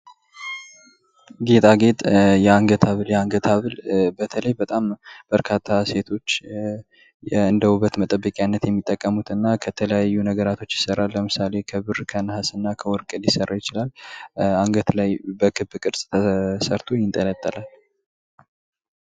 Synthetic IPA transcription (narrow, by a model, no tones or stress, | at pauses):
ɡe̞t̪ʼaɡe̞t̪ʼjɛaŋɡət̪ʰaβljɛaŋɡət̪ʰaβlbət̪ʰələjbət̪ʼamb̥əɾkʰat̪ʰːase̞t̪ʰo̞t͡ʃː | ɨnd̪əuβət̪mət̪ʼəbːəkʼanːət̪jɛmːit̪ʼːəkʼːəmut̪ɨnːakʰət̪ʰələjajːunəɡəɾat̪ʰo̞t͡ʃːjɪsəɾalːəmɨsale̞kʰəβɨrkʰanhasɨnːakʰəwɔɾkʼəljɪsərːajɪt͡ʃɪlalaŋɡət̪lajbəkʰɨbːkʼɨɾsʼt̪ʰəsəɾt̪ʰojɪnt̪ʼələt̪ʼːəlal